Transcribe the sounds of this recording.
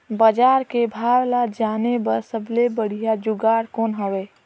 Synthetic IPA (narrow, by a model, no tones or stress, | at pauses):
bəd͡ʒaːɾkebʱaːwlad͡ʒaːnebəɾsəblebəɽ̤ijad͡ʒʊɡaːɾkoːnɦəʋeː